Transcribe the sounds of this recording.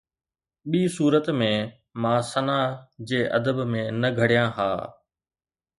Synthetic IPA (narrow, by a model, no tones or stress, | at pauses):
ɓiːsuːɾət̪mẽ | mãːsɐnaːd͡ʑeːʔɐd̪əbmẽnɐɡʱɐɽjãːɦa̰ː